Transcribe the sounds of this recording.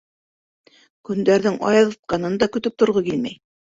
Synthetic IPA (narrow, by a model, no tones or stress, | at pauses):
kɵ̆nd̪æɾðɘŋʔɑ̰jɑðɤ̆t̪̚qɑnɤnd̪ɑkɵ̆t̪ɵp̚t̪ŏɾʁɤkilmæ̰j